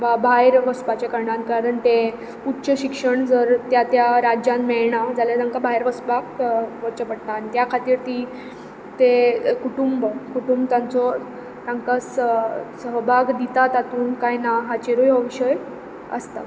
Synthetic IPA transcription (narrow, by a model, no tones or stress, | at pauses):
ʋabʱajɾʋəspat͡ɕakəɾɳankaɾəɳt̪e | utːɕəɕikʂəɳd͡zəɾt̪jat̪jaɾad͡ʑjãnmɛɭɳad͡zaljad̪ãŋkabʱaɦjɾʋəsbakʋət͡ɕəpəɽt̪aːnit̪jakʰat̪iːɾt̪i | t̪ekuʈumbkuʈumbt̪jant͡sɔ | t̪aŋkassəɦbʱaɡd̪it̪at̪at̪uːnkajnaɦat͡ɕeɾojəʋiɕəj | ə̰st̪a̰